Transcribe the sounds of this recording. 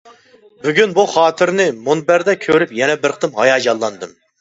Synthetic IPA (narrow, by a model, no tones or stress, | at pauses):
byɡʲynbuχɑːt̪ʰɪɾnɪmonbæɾd̪ɛkʲʰøɾypjɛnɛbɪɾqʰt̪ɨmhɑ̰jɑːd͡ʒɑlˠːɑnd̪ɨm